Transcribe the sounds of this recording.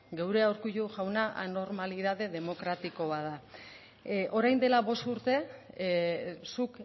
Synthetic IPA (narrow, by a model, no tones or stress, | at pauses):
ɡewɾeawɾkuʎuʝawnaʔa̰no̞ɾmaliðaðe̞ðe̞mo̞kɾat̪iko̞βaða | ʔo̞ɾajnd̪e̞laβo̞st̪uɾt̪e̞ | suk